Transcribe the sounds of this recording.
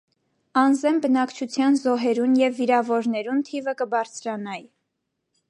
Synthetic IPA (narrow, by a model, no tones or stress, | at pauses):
ɑnzɛmbənɑkt͡ʃʰut͡sʰjɑnzɔɦɛɾunjɛvːiɾɑvɔɾnɛɾunt̪ʰivəkəbɑɾt͡sʰɾɑnɑji